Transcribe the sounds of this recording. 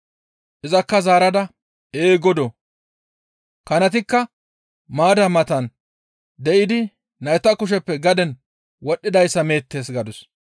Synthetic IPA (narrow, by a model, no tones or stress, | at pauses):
ʔɪzɐkːɐzaːɾɐd̪ɐ | eːɡɔd̪ɔ | kɐnɐt̪ɪkːɐ | maːd̪ɐmɐt̪ɐn | d̪ɛʔɪd̪ɪ | nɐjt̪ːɐkʊʃ̬ɛpːɛɡɐd̪ɛn | wɔɗːɪd̪ɐjsːɐme̞ːt̪ːe̞ːs̬ɡɐd̪ɔs